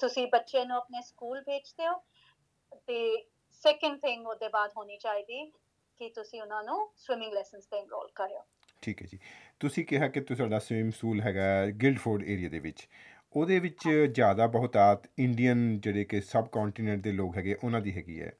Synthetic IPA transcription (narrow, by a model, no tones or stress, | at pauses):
t̪ʊsĩːbətːʃẽːnũːəpneːskuːlbʱeːt͡ʃd̪eːoː | t̪eː | sɛːkəɳɖt̪ʰɪ̃ŋɡoːd̪eːbaːd̪ɦoːniːt͡ʃaːiːd̪iː | kɪt̪ʊsĩːʊnãːnũːswɪmɪ̃ŋɡlɛːsənst̪eːŋɾo̰ːlkəɾeo̰ː | ʈʰiːkɦɛ̰ːd͡ʒiːt̪ʊsĩːkɪɦaːkɪt̪usaːɖaːswɪmskuːlɦɛːɡaːɛɡɪlɖpʰoːɾɖḛːɾijaːd̪ḛːʋɪt͡ʃ | oːd̪eːʋɪt͡ʃzjaːd̪aːbəɦʊt̪aːt̪ɪɳɖijənd͡ʒeːɽeːkɪsəbkɔ̃ːɳʈiːnɛ̃ɳʈ̚d̪eːloːkɦɛːɡeːʔʊnãːd̪iːɦɛːɡḭːɛ̰ː